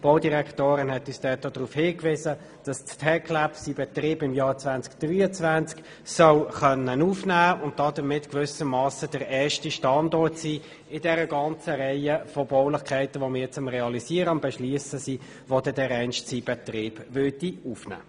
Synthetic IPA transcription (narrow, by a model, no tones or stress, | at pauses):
b̥oʊdiʁɛktoːɾənɦɛtyːsd̥ɛtːod̥ʁuːfhɪkvɪːzə | d̥ɑsttʰɛkʰlæpsibɛtriːbɪmjɑːt͡svænt͡skd̥ryːət͡svænt͡sk | sœwχœnːənuːfnæːʊnt̚d̥ɑdəmɪtkvʏsəmɑːsəd̥əɾɛːʃtiʃtɑndɔtsiː | ɪdɛɾəɡɑnt͡səʁɛɪəfɔbɔʊlɪχkʰɛɪtəvɔmɪːt͡sʊmʁɛɑliziːəɾəʊmb̥ɛʃliːəsəsiː | ʋɔd̥ɛdɛɾɛnʃtsib̥ɛtriːb̥vʏɐdiuːfnæ̰ː